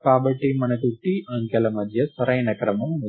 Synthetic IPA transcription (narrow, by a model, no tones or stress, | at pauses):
kaːbɐʈːimɐnɐkuʈːiʔaːŋkɐlɐmɐd̪ʱjɐsɐɾɐjnɐkɾɐmɐm